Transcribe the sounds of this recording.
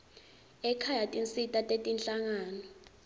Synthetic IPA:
ɛkʰajatʼint͡sʼitʼatʼetʼinɬaŋaːnɔ

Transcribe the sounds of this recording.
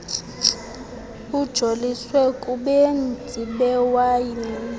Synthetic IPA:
ud̥ʒ̥ʱoliswɛkʼuɓend͡zʱiɓɛwajɛ

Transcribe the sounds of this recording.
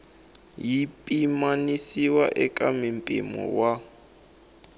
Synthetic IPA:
jipʼimanisiwaʔɛkʼamimpʼimɔ̰wa

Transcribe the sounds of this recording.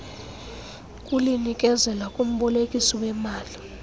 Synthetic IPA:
kʼulinikʼɛzɛlakʼum̩ɓɔlekʼisɔwɛmaːli

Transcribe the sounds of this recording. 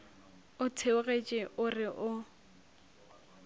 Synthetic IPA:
ʊtʰeʊɣet͡ʃʼɪʔʊrɪʔʊ

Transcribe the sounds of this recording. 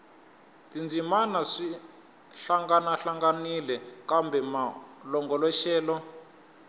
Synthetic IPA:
tind͡zimanaʂi | ɬaŋɡanaɬaŋɡanilɛkambɛmalɔŋɡɔlɔʃɛːlɔ

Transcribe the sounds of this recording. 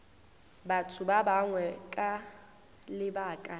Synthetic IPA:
batʰʊbabaŋwɛkʼa | lɪbaːkʼa

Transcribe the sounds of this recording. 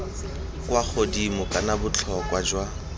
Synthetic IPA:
kwak͡xʰodimʊkʼanabʊt͡ɬʰɔkwad͡ʒwa

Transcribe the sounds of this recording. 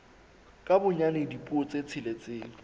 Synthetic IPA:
kʼabʊɲanedipʼuɔt͡sʼet͡sʰɪlet͡sʼeːŋ̩

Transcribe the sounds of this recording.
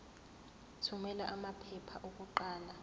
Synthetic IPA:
tʰumɛlaʔamapʰɛpʰaʔok̬ʼuǃaːla

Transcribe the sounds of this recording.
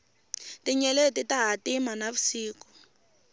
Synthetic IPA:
tiɲɛletitaɦatimanaβusiːku̥

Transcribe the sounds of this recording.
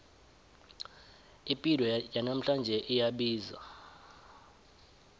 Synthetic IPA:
ipʼidɔjanam̩ɬand͡ʒʱɛʔijaɓiːza̰

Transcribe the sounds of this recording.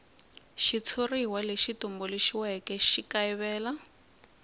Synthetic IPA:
ʃit͡sʰoriwaleʃitumbɔleʃiwɛkɛʃikaiβɛːla

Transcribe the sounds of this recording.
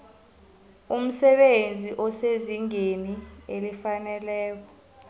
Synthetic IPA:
um̩sɛɓend͡zʱiʔɔseziŋenielifanɛlɛːk̬ɔ

